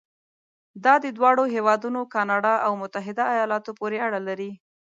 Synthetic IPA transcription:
d̪ɑd̪əd̪wɑɽoɦewɑd̪unokɑnɑɖɑʔawmʊt̪aɦɪd̪aːjɑlɑt̪opoɾeaɽalaɾi

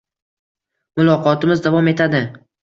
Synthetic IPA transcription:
mʊlˠɒqʰɒt̪ɪmɪzd̪avɒme̞t̪ʰad̪ɪ

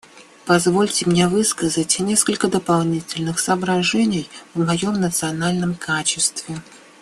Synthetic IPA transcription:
pɐzvo̞lʲtʲɪmnʲevɨskəzətʲnʲe̞skəlʲkəd̪əpɐlˠnʲitʲɪlʲnɨxsəːbɾɐʐɛnʲɪjvmɐjo̞mnət̪sɨɐnalʲnəmkʰat͡ɕɪst̪vʲɪ

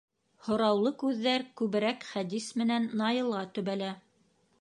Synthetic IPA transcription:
hŏɾɑwlˠɤkʉðːæɾkʉβɘ̆ɾækχæd̪ismɘ̆nænːɑjɤ̆lˠʁɑt̪ɵ̆βælæ

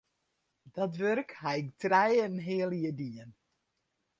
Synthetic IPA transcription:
dɔtʋørkhaɪktrɛjənɦɪəljədiən

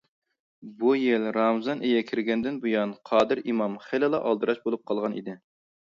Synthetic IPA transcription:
bujɪlɾɑmzɑnʔejɛkʲʰɪɾɡʲɛnd̪ɪnbujɑnqʰɑːd̪ɨɾimɑmχɪlɪlˠɑ̰ʔɑlˠd̪ɨɾɑʃbolˠup̚qʰɑlˠʁɑnḭd̪ɪ

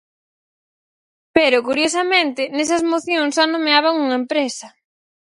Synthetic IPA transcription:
peɾʊkuɾjosɐmẽnt̪ɪnesɐzmoθjõŋsʃanõmeaβaŋuŋɐempɾesɐ

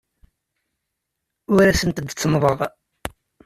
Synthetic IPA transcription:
ʊɾæsənt̪əd̪t͡sːmðˤəðˤ

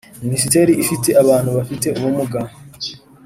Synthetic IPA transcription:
minis̬ite̞ːɾiʔifite̞ʔaβaːn̥huβafite̞uβumuɡa

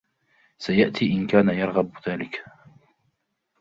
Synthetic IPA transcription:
sajaʔt̪ʰiːʔɪnkaːnajɑɾˤɣabðaːlɪk

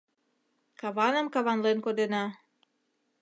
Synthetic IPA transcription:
kɑβɑnə̆mkɑβɑnlenkod̪enɑ

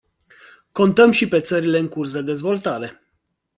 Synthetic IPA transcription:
ko̞nt̪əmʃipe̞t̪səɾile̞ɨŋkursd̪e̞d̪e̞zvo̞lt̪aɾe̞

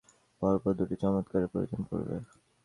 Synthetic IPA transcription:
b̥aɾpɔɾd̪uʈit͡ɕɔmot̪kaɾepo̰ɾḭd͡ʑonpo̰ɾbḛ

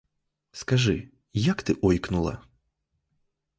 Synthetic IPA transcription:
skaʐɨ | jakt̪ɨʔɔjknulˠɐ̰

